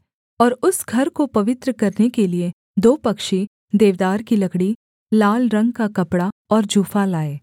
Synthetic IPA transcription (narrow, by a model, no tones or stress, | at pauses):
ɔːɾʊsɡʱɐɾkopɐʋɪt̪ɾəkɐɾnekelie | d̪oːpɐkʃi | d̪eːʋd̪aːɾkilɐkɽi | laːlɾɐ̃ŋɡ̚kakɐpɽaɔːɾd͡ʒuːfalaːeː